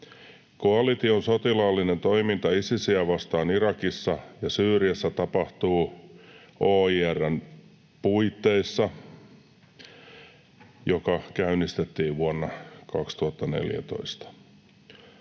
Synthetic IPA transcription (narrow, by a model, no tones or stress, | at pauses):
koɑlit̪ionsot̪ilɑːlːinent̪o̞imint̪ɑisisiæʋɑst̪ɑːniɾɑkisːɑjɑsyːriæsːæt̪ɑpɑht̪uː | oːiːærːæn | puit̪ːeisːɑ | jokɑkæynist̪et̪ːiːʋʋuonːɑkɑkst̪uɑt̪ːɑne̞̰ljæ̰t̪o̞̰ist̪ɑ̥